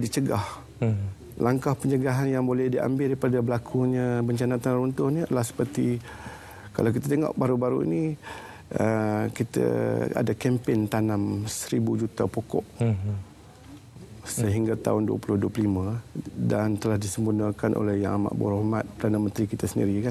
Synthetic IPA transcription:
dit͡ʃəɡah | laŋkahpəɲd͡ʒəɡaɦanjaŋbolɛhdiʔa̰mbɪldipadabəlakʰuɲãbəɲt͡ʃanat̪anaɾunt̪ʊhnilahsə̥pərt̪i | ka̰lawk̬it̪at̪eŋɔ̰ʔbaɾubaɾuḭni | əkit̪ə̰a̰dakɛmpent̪anamsəɾibud͡ʒut̪apokɔ̰ʔ | səɦiŋɡat̪a̰ʊnduə̰pulʊhduəpələlimə̃dant̪əlahdisəmbunakanʔo̰lɛhja̰ŋama̰ʔbṵɾɔhmat̪̚pədanamənt̪ɾikit̪əsəndḭɾikan

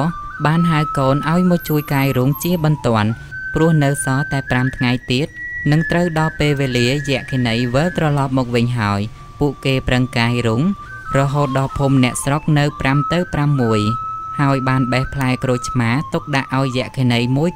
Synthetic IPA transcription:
ɓaːnɦawkoːnʔaɔjmɔt͡ɕuəjkaːjruːŋt͡ɕiəɓɑnt̪ŏən | prʊ̆əhnɨwsɑːt̪aɛpramt̪ʰŋajt̪iət̪̚nɨŋt̪rəwɗɑlpeːlʋeːliəjɛ̆əʔkʰiənəjʋəlt̪rɑlɑːp̚mɔːk̚ʋɨɲɦaəj | puəʔkeːprəŋkaːjruŋ | rɔɦoːt̪̚ɗɑlpʰuːmnɛ̆əʔsrok̚nɨwpramt̪ɨwpramːuəjhaəjɓaːnɓəhpʰlaɛkroːj̚t͡ɕʰmaːt̪uk̚ɗaʔːaɔjːɛ̆əʔkʰiənəjmuəj

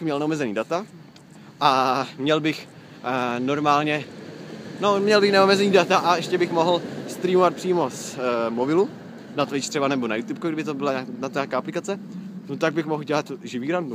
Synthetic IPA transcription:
mɲɛlnɛomɛzɛniːdat̪a | ʔamɲɛlbɪx | no̞ɾmaːlɲɛ | nomɲɛlbɪxnɛomɛzɛniːdat̪aʔaɛʃcɛbɪxmo̞ɦl̩st̪ɾiːmovat̪̚pr̥iːmo̞smobɪlu | nat̪vɪt͡ʃt̪r̥ɛbanɛbonajuːt̪up̚kuɡɾɪbɪt̪obɪlaɲanat̪ɲaːkaːaplɪkat͡sɛnot̪aɡ̚bɪxmoɦlɟɛlat̪ʒɪviːɾandu

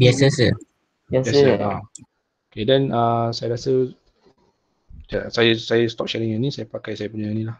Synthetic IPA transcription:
biasəsə | biaaəʔa | okedɛnəsajaɾasə | asajəsajəst̪ɔp̚ʃɛlĩŋinĩsajapakajsajəpunəŋanĩlah

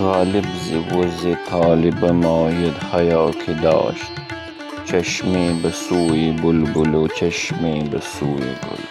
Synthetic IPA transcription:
ɣaːlibziwozet̪ʰaːlibɐmaːjed̪hɐjaːkʰid̪a̰ːʃt̪ | t͡ʃɐʃmeːbɐsuːjibulbulot͡ʃɐʃmeːbɐsuːjḭbʊ̰l

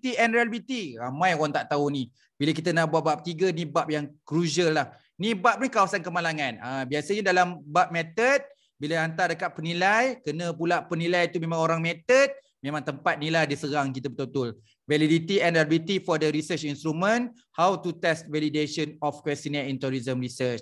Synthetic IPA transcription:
t̪iɛnɾialbit̪iɾamãjoɣaŋt̪aʔt̪auni | bilakit̪ənaʔbuwat̪̚bap̚t̪iɡənibap̚jaŋkɾuʃəlːah | nĩbap̚nikawasankəmalaŋãnəbiasəɲədalambap̚mɛt̪ət̪̚ | bilaant̪adəkat̪̚pənilajkənə̃pulaʔpənĩlajt̪umẽmãŋoɾaŋmɛt̪ət̪̚ | mẽmãŋt̪əmpat̪̚niladisəɾaŋkit̪əbət̪ut̪ʊl | validit̪iɛ̃nabit̪ifɔdəɾisət͡ʃinst̪ɾumə̃n | hawt̪ut̪ɛst̪̚valideʃənɔfkwɛst̪inɛint̪uɾizəmɾisət͡ʃ

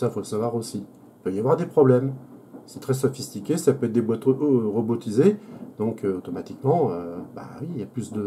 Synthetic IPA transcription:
safolsavwaʁosi | ipœjavwaʁd̪epχɔblɛmsɛ̥t̪χɛs̬ɔfist̪ikʲesapøɛt̪̚d̪ebwat̪ʁɔbot̪ized̪ɔ̃kʰøot̪ɔmat̪ikmɑ̃øba̰wiːljaplysd̪ə

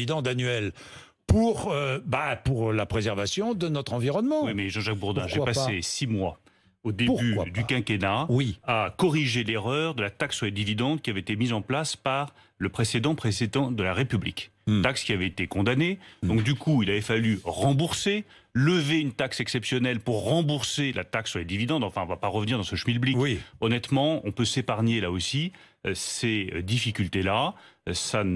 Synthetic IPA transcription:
id̪ɑ̃d̪anɛl | puʁøbapuʁlapχezɛʁvasjɔ̃d̪ənɔt̪χɑ̃viʁɔnmɑ̃wimɛʒɑ̃ʒak̚buʁd̪ɛ̃ʒepasesimwa | od̪eyd̪ykɛ̃kʲenawiakɔʁiʒeleʁœːʁd̪əlat̪akswɛd̪ivid̪ɑ̃t̪kʲiavɛet̪emizɑ̃plaspaʁ | ləpχesed̪ɑ̃pχesed̪ɑ̃d̪əlaʁepyblḭk | t̪akskʲiavɛet̪ekɔ̃d̪anedd̪ɔ̃k̚d̪ykʰuilavɛfalyʁɑ̃buʁse | ləveynt̪aksɛksɛpsjɔnɛlpuʁːɑ̃buʁselʔa̰t̪aksːyʁled̪ivid̪ɑ̃d̪ɑ̃fɛ̃ɔ̃vapaʁəvniʁd̪ɑ̃səʃmilbliɔnɛt̪mɑ̃ɔ̃pøsepaʁɲelaosi | sed̪ifikʲylt̪elasa

